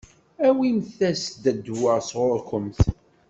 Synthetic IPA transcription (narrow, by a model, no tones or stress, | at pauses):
æwimθæsd̪æd̪wəʁsʁʊɾkəmθ